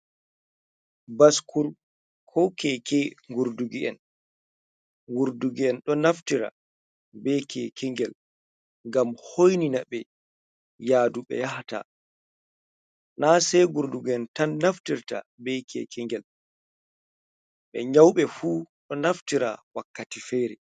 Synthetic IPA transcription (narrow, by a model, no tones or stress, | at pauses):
baskʰuɾ | kʰɔkɛkɛŋɡuɾduɡiʔɛn | ŋɡuɾduɡiɛnɗɔnaftiɾa̰ | bɛkʰɛkʰɛŋɡɛl | ɡamhojninaɓɛ | jaːduɓɛ̰jahta̰ | nasɛjɡuɾduɡiɛntanːaftiɾta̰bɛkʰɛ̰kʰɛŋɡɛl | ɓɛɲawɓɛfuːɗɔnaftiɾa̰wakːatifɛɾɛ